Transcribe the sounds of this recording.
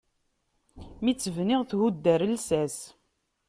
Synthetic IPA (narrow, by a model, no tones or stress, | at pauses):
mit͡sːəvnɪʁθhud̪ːæɾəlsæs